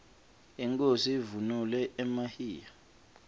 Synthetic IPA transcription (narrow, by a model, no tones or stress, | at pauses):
iŋkʼosievunulɛɛmahiːja